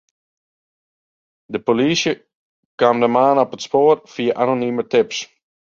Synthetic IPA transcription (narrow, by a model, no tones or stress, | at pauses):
dəpolisjə | kwaːmdəmaːnɔpətspoːrfiəʔanonymətɪps